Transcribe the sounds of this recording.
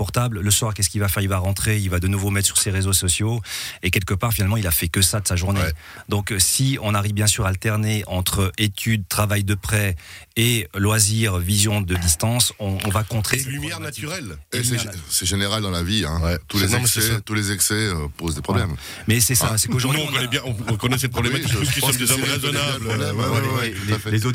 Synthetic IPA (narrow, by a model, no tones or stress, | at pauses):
pɔʁt̪ablːəswaʁkʲɛskilvafɛʁilvaʁɑ̃t̪χeilvad̪ənuvomɛt̪χəsy̥ʁseʁezosɔsjoek̬ʲɛlkəpaʁfinalmɑ̃ilafɛkəsad̪əsaʒuʁne | d̪ɔ̃ksiɔ̃naʁivbjɛ̃syʁaːlt̪ɛʁneʔɑ̃t̪χəet̪ʰyd̪̚t̪χavajd̪əpχɛelwaziʁvizjɔ̃d̪əd̪ist̪ɑ̃sɔ̃ːvakɔ̃t̪χelymjɛʁnat̪yʁɛleɛsɛʒeneʁald̪ɑ̃laviɛ̃wɛt̪ulẽst̪ulezɛksɛøpozd̪epχɔblɛm | mɛsɛsasɛkoʒuʁdnũkɔnɛbjɛ̃ɔ̃ɔ̃kɔnɛsɛt̪̚pʰχɔblɛmaiuskiɔmd̪ezɔʁezɔnablɛɛlezo